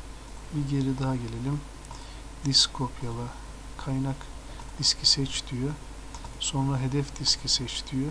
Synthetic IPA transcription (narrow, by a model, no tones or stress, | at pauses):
biɟe̞ɾid̪aɦaɟe̞lʲe̞lʲim | d̪iskʰopʰjalˠa | kʰajnak | d̪̥iscʰisɛt͡ʃt̪ʰijø | so̞nɾaɦe̞d̪ɛfd̪iscʰisɛt͡ʃt̪ʰijø